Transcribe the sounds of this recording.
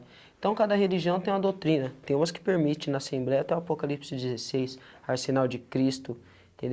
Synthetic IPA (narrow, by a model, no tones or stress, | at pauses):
ẽt̪ɐ̃w̃kad̪ɐɦeliʒiɐ̃w̃t̪ẽj̃ũɐd̪owt̪ɾĩnɐt̪ẽj̃ũmɐskɪ̥peɾmit͡ʃɪnɐasẽmblɛjɐat̪ɛwapokalipsɪd͡ʒɪzesejs | aɾsenawd͡ʒɪkɾist̪ʊ̃ | t̪ḛ̃d̪